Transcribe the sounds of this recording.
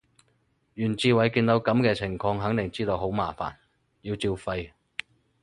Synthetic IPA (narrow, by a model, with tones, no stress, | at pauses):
jyː˨˩nt͡siː˧wɐ˨˩jkiː˧nt̪o˨˥wkɐ˨˥mkɛː˧t͡sʰɪ˨˩ŋfɔː˧ŋɦɐ˨˥ŋt̪ɪ˨˩ŋt͡siː˥t̪o˧wɦo˨˥wmaː˨˩fa̰ː˨˩n | jiː˧wt͡siː˧wfɐ˧j